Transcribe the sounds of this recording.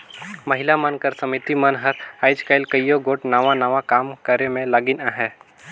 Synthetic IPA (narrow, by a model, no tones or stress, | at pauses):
mɐɦɪlamənkəɾsɐmit̪imənɦəɾaːɪd͡ʒkaːɪlkəijoɡoːʈnaʋãnaʋakaːmkəɾemẽlaːɡɪnãɦɛː